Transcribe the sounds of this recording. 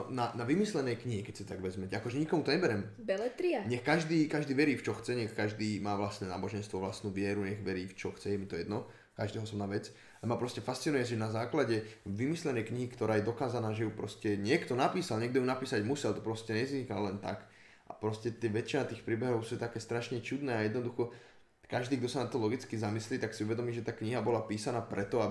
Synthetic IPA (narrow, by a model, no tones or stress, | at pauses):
ɔnanaʋimislɛnɛjkɲiɦikɛcsɛt̪aɡʋɛzmɛcakɔʒɛɲikɔmut̪ɔɲɛbɛɾɛmbɛlɛt̪ɾiaɲɛxkaʒd̪iːkaʒd̪iːʋɛɾiːft͡ʃɔxt͡sɛɲɛxkaʒd̪iːmaːʋlast̪nɛːnaːbɔʒɛnst̪ʋɔʋlast̪nuːʋɪɛɾuɲɛɣʋɛɾiːft͡ʃɔxt͡sɛjɛmit̪ɔjɛd̪nɔ | kaʒd̪ɛːɦɔɔsɔbnaːʋɛt͡s | alɛmapɾɔscɛfastt͡sinujɛsiʒɛnazaːklaɟɛʋimislɛnɛjkɲiɦikt̪ɔɾaːjɛd̪ɔkaːzanaːʒɛjupɾɔscɛɲɪɛkt̪ɔnapiːsalɲɪɛɡ̚d̪ɔjunapiːsaɟmusɛlt̪ɔ̥pɾɔscɛɲɛzizɲikallɛnt̪ak | ʔa̰pɾɔscɛt̪ɛʋɛt͡ʃinat̪iːxpɾiːbɛɦɔʊsuːt̪akɛːst̪ɾaʃɲɛt͡ʃud̪nɛːajɛd̪nɔd̪uxɔ | kaʒd̪iːɡd̪ɔsanat̪ːɔlɔɡit͡skizamisliːt̪aksiuʋɛd̪ɔmiːʒɛt̪aːkɲiɦabɔlapiːsanaːpɾɛt̪ɔa